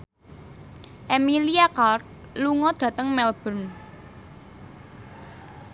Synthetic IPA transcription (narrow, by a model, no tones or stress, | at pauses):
ʔemiliakart̪̚luŋɔd̥ä̤t̪əŋmɛlb̥ə̤n